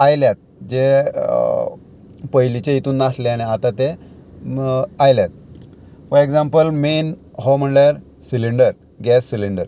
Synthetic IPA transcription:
ajljat̪̚d͡ʑe | pəjlit͡ɕeit̪uːnːasleañiat̪ãt̪e | ajljat̪̚fəɾeɡd͡zãmpəlmenɦom̤əɳljaɾ | siliɳɖəɾ | ɡɛsːiliɳɖəɾ

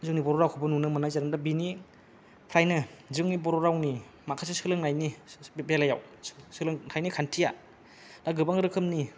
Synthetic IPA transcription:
zɯŋnibɔɾɔɾawkʰɯbɯnunɯmɯnajzaɾɯmdabini | pʰɾajnɯzɯŋnibɔɾɔɾawni | makʰasisɯlɯŋnajnibelaja̰wsɯlɯŋtʰajnikʰantʰija | daɡɯbaŋɡɯɾɯkʰɯmni

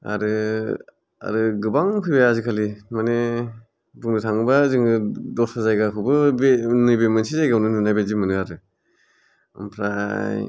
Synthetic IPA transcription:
a̰ɾɯ | a̰ɾɯɡɯbaŋkʰɯjbaazikʰalimane | buŋdɯtʰaŋbazɯŋɡɯdɔsazajɡakʰɯbɯbenɯjbemɯnsizajɡawnɯnɯnajbezimɯnɯaɾɯ | a̰mpʰɾaj

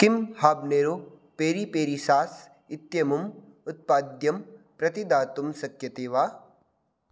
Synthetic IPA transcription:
kimhaːbneːɾo | peːɾipeːɾisaːs | ɪt̪jɐmum | ʊt̪̚paːd̪jɐmpɾɐt̪id̪aːt̪umsɐkjɐt̪eːʋaː

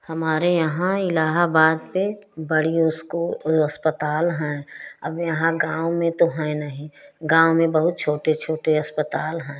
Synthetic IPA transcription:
hɐmaːɾejɐɦãɪlaːɦabaːd̪pebəɽiʊskoəspət̪aːlɦɛ̃ɐbjɐɦãɡãːomẽt̪oɦɛ̃nəɦĩɡãːomẽbəɦʊt̪̚t͡ʃʰoːʈet͡ʃʰoːʈeɐspət̪aːlɦɛ̃ː

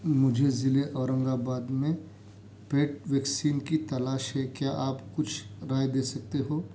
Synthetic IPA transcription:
mʊd͡ʒʱezɪleʔɔːɾə̃ŋɡabaːd̪mẽ | peːʈʋɛːksiːnkit̪ɐlaːʃɦɛkjaːʔaːpkʊt͡ʃʰɾaːjd̪eːsɐk̚t̪eɦoː

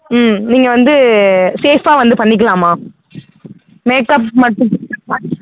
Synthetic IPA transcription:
mniːŋɡɐʋɐnd̪ɯseːfaːʋɐnd̪ɯpɐɳːɪk̬ːɐlãːmaː | meːkɐpmɐʈːʊ̃

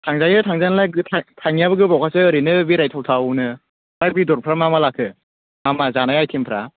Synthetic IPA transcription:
tʰaŋzajɯtʰaŋzajnalaɡɯtʰatʰaŋijabɯɡɯbawkʰasɯːɾinɯbiɾajtʰawtʰawnɯ | ɾabidɔɾpʰɾamamalakʰɯ | mamazanajajtʰimpʰɾa

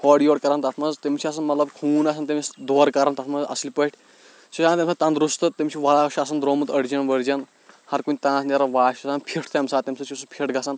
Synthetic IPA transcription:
hɔɽijoːɽkɐɾɐnt̪ɐt̪ʰmɐzt̪emʲt͡ʃʰiɐs̬ɐnmɐt̪lɐbkʰuːnasɐnt̪emʲisd̪oːɾkɐɾant̪ɐt̪ʰmɐzɐ̰slʲpəʈʰʲ | t͡ʃʰisãnt̪emsɐt̪ɐnd̪ɾust̪ɨt̪emʲt͡ʃʰiʋɐaʃas̬ɐnd̪ɾoːmɨt̪əɽd͡ʒɐnʋəɾd͡ʒɐn | hɐɾkunʲit̪ãːsnʲɐɾɐʋaːʃsanpʰiʈʰt̪jɐmsaːt̪ɐmʲsɐt͡ʃʰisupʲʰiʈʰɡɐsan

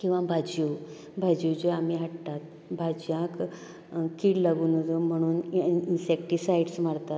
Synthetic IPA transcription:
kĩw̃ʋãbʱad͡ʑu | bʱad͡ʑjud͡ʑeamiɦaʈt̪at̪̚ | bʱad͡ʑjãk | kiːɽlaɡuːnod͡zom̤əɽ̃uːninsɛk̚ʈisajɖsmaɽt̪at̪

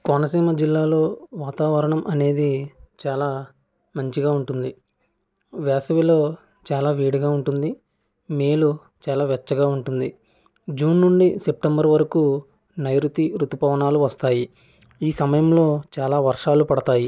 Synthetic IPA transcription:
konɐsiːmɐd͡ʒilːaːlo̞ːʋaːt̪aːʋɐɾɐɳɐmʔɐne̞ːd̪it͡ʃaːlaː | mɐɲt͡ʃiɡaːuɳʈund̪i | ʋɛːsɐʋilo̞ː | t͡ʃaːlaːʋiːɽiɡaːuɳʈund̪i | meːlu | t͡ʃaːlaːʋɛt͡ʃːɐɡaːuɳʈund̪i | d͡ʒuːnːuɳɖisep̚ʈɐmbɐɾʋɐɾɐkuː | nɐjɾut̪iɾut̪upɐʋɐɳaːluʋɐst̪aːji | iːsɐmɐjɐmlo̞ːt͡ʃaːlaːʋɐɾʂaːlupɐɽɐt̪aːji

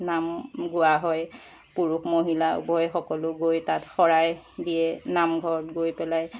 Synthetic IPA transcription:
namɡʊwaɦɔj | puɹukmoɦila̰bɔjxɔkɔlʊɡojtatxɔɹajdijɛnamɡʱɔɹɔt̚ɡojpɛlaj

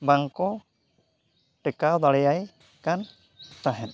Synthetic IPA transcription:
baŋkɔ | ʈɛkawd̪aɽɛjaj | kan | t̪aɦɛn

